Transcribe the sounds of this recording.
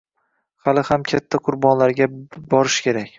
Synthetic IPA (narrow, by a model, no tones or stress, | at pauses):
halɪhamkʲʰat̪ʰːaqʰʊɾbɒnlaɾɡʲabɒɾɪʃkʲʰe̞ɾakʲ